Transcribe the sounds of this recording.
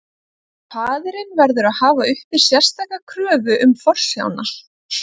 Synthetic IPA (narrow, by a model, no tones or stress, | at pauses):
pʰaːðɪɾɪnvɛɾðʏɾaðhaːvaʏhpɪɾ̥sjɛr̥st̪ajkːakʰɾœːðʏʔʏmfɔr̥sja̰wna̰